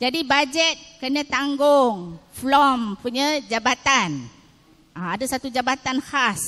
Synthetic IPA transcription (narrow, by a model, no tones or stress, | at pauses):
d͡ʒadibad͡ʒət̪̚kənə̃t̪aŋɡʊŋflɔmpuɲə̃d͡ʒabat̪an | ʔaadasat̪ud͡ʒabat̪anhas